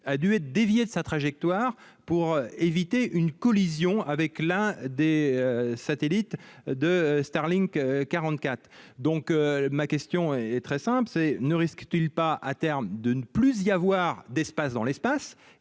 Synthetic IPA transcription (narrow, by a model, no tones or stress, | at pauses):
ad̪yɛt̪χd̪evjed̪əsat̪χaʒɛk̚t̪waʁ | puʁevit̪eʔynkɔlizjɔ̃avɛklɛ̃d̪eøsat̪elit̪d̪əst̪aʁliŋkkaʁɑ̃t̪kʲat̪χd̪ɔ̃kmakʲɛst̪jɔ̃ɛt̪χɛsɛ̃plsɛnəʁiskt̪ilpaʔa̰t̪ɛʁmd̪ənəplyzijavwaʁd̪ɛspasd̪ɑ̃lɛspas